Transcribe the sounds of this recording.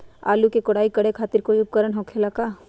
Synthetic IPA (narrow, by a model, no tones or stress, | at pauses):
a̰ːlukekoɽaːikɐɽekʰaːt̪ɪɾkoːiʊp̚kəɾəɳɦokʰelakaː